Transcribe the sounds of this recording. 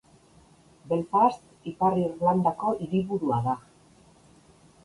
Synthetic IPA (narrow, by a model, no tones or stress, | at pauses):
be̞lfast̪ | ipariɾland̪akoʔiɾiβuɾuaða